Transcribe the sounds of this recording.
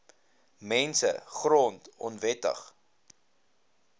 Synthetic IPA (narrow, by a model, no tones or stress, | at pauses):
mɛnsə̰χrɔntɔnvɛtə̰χ